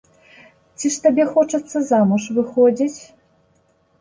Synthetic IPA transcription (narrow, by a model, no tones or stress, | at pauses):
t͡sʲiʂt̪abʲɛxɔt͡ʂɐt̪sːɐzamuʂvɨxɔd͡zʲit͡sʲ